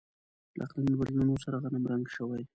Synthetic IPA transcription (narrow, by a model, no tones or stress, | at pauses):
lʔa̰qlanbalnunosaɾaɣanamɾaŋɡʃəwaj